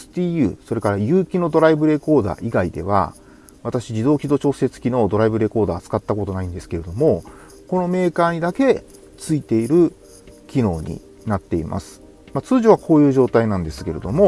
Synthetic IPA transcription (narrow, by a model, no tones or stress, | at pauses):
st̪iːjɯ̰ːso̞ɾe̞kaɾajɯ̟ːkʲino̞d̪o̞ɾaibɯ̟ɾe̞ko̞ːd̪a̰ːʔiɡaid̪e̞̰β̞a̰ | βat̪aɕid͡ʑid̪o̞ːkʲid̪o̞t͡ɕo̞ːset͡sɨ̥kʲino̞d̪o̞ɾaibɯ̟ɾe̞ko̞ːd̪aːt͡sɨ̥kat̪ːako̞t̪o̞naĩnd̪e̞sɨ̥ke̞ɾe̞d̪o̞mo̞ | ko̞no̞me̞ːkaːɲ̟id̪ake̞ | t͡sɨit̪e̞iɾɯ̟ | kʲino̞ːɲ̟ḭ | nat̪ːe̞ḭmʔa̰sɨ̥ | mat͡sɨːʑoβ̞akʰo̞ːjɯ̟ːʑo̞ːt̪ainãnd̪e̞sɨ̥ke̞ɾe̞d̪o̞mo̞